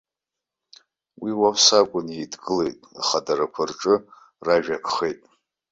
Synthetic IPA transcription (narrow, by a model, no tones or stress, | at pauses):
wiwapʰsakʷʼʊnidɡɨle̞jtʼa̰χadaɾakʷʰarʈ͡ʂʼɨ | raʒᶣakʰʼχejtʼ